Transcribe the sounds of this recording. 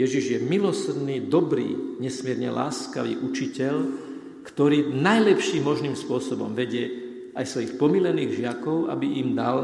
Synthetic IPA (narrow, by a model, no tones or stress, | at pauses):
jɛʒiʒjɛmilɔsrd̪niːd̪ɔbɾḭːɲɛsmɪɛɾɲɛla̰ːska̰ʋḭːʔut͡ʃicɛʎ | kt̪ɔɾiːnajlɛpʃiːmːɔʒniːmspʊɔsɔbɔ̰mʋɛɟɪɛ | ajsʋɔjixpɔmilɛniːɣʒɪakɔʊa̰biʔimd̪al